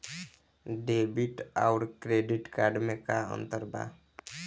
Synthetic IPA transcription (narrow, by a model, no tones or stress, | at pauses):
ɖebiʈaʊɾkɾeɖiʈkaɾɖmẽkaə̰̃nt̪əɾba̰